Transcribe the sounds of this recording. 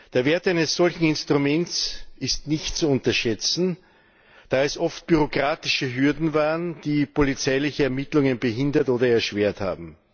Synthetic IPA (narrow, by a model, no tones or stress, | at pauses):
d̥eːɐveːɐtʔæɪnəsz̥ɔlçn̩ɪnstʁ̥umɛnt͡sɪstnɪçtt͡suʊntɐʃɛt͡sn̩ | d̥aːɛsʔɔft̚b̥yʁokʁ̥aːtɪʃəɦʏɐdn̩vaːʁənd̥iːpʰolit͡sæɪlɪçəɛɐmɪtlʊŋənbəɦɪndɐtoːdɐɛɐʃv̥eːɐtha̰ːbm̩